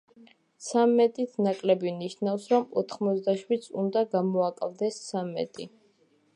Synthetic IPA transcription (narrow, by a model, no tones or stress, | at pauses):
t̪sʰamːɛt̪ʼit̪ʰnakʼlɛbiniʃnafsɾɔmɔt̪ʰχmɔt̪sd̪aʃwid̪sund̪aɡamɔakʼlˠd̪ɛssamɛ̰t̪ʼi